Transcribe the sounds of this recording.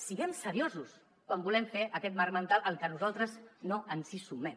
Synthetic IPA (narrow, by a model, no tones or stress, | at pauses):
siɣɛmsəɾiozus | kwambulɛmfeʔəkɛt̪̚marmənt̪alˠʔəlˠkənuzalˠt̪ɾəznoənsisumɛm